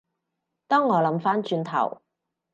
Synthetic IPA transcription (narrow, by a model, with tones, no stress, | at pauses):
t̪ɔː˥ŋːɔː˨˧lɐ˨˥mfaː˥nt͡ʃyː˧nt̪ʰɐ̰˨˩w